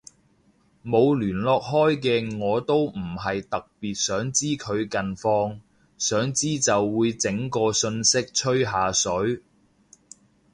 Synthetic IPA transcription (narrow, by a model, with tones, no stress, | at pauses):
mo˨˧wlyː˨˩nlɔː˨k̚ɦɔː˥jk̬ɛː˧ŋɔː˨˧t̪o˥wm̩˨˩ɦɐ˨jt̪ɐ˨k̚piː˨t̚sœː˨˥ŋt͡siː˥kʰɵ˨˧ɥkɐ˨nfɔː˧ŋ | sœː˨˥ŋt͡siː˥t͡sɐ˨wːuː˨˧jt͡sɪ˨˥ŋkɔː˧sɵ˧nsɪ˥k̚t͡ʃʰɵ˥ɥɦaː˨sɵ˨˥ɥ